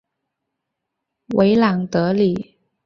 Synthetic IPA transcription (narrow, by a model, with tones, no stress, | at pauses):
wʔe˧˥ɪlɑ˨˩ŋt̪ɤ˧˥li˨˩˦